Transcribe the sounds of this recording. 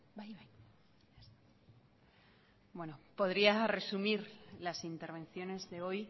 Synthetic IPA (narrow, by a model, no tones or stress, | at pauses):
bajβaj | bwe̞nopo̞ðɾiare̞sumiɾlasint̪e̞ɾβẽ̞nθjo̞ne̞zðe̞o̞j